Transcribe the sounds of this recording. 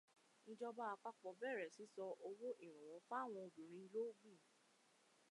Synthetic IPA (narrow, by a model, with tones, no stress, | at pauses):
nĩ˧d͡ʒɔ˧ba˦a˧k͡pa˦k͡pɔ˨bɛ˦˨ɾɛ˨si˨˦sɔ˧ʔo˧wo˦ʔi˦˨ɾ̃ũ˨w̃ɔ̃˨˦fa˦a˦˨w̃ɔ̃˧o˨dũ˨ɾ̃ĩ˨˦i˧lo˦ɡ͡bĩ˦˨